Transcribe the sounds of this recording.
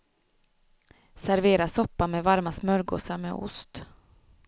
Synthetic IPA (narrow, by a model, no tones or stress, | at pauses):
sæɾveːɾasɔpːamɛːvaɾmasmœɾɡo̰ːsaɾmḛʔʊ̰st̪